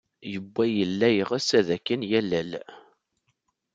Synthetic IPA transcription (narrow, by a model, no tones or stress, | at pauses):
jəbːæjəlːæjʁəsæðækːənjælæl